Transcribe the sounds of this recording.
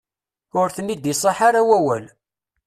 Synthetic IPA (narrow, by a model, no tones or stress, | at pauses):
ʊɾθənːid̪isˤɑħaɾawæwæl